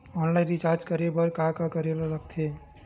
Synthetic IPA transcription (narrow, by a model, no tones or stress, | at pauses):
ɔnlaɪ̃nɾit͡ʃaɾd͡ʒkəɾebəɾkakakəɾelɔləkt̪ʰe